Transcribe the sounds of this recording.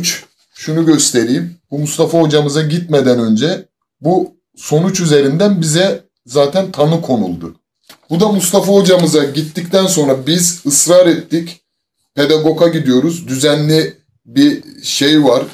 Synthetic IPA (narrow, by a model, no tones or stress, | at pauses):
t͡ʃ | ʃunuɟø̞st̪ʰe̞ɾijmbumust̪afaod͡ʒamɯzaɟit̪̚med̪ænø̞nd͡ʒɛ | bu | so̞nut͡ʃyze̞ɾind̪ænbizɛ | zaːt̪ʰænt̪ʰanɯkʰo̞nṵlˠd̪ʊ | bud̪amust̪afaod͡ʒamɯzaɟit̪ːict̪ʰænso̞nɾabizɯsɾaːɾɛt̪ːic | pʰe̞d̪aɡo̞kʰaɟid̪ijo̞ɾuzd̪yzænlʲi | biʃe̞jvaɾ̥